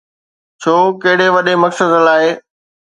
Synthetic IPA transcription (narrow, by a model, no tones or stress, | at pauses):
t͡ɕʰoːkɐɦɪɽ̤eʋɐɗemɐksəd̪laːɦeː